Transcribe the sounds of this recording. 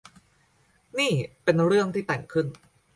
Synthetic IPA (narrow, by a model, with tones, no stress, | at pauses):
niː˥˩pe˧nɾɯ˥˩əŋt̪ʰiː˥˩t̪ɛ˨˩ŋkʰɯ˥˩n